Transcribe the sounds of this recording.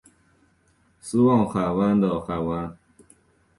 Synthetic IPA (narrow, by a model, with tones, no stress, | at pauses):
sɨ˦wɔ˥˨ŋxa˨˩wa˦d̪ɔ˨˩xa˨˩wa˦